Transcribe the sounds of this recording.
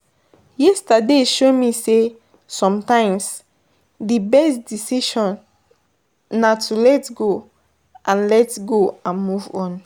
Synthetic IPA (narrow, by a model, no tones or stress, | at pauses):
jɛstadeʃomise | sɔ̃mtãɪ̃ms | dibɛstdisiʃɔ̃n | atʰulɛtɡo | ʔãnlɛtɡoãnmuvɔ̃n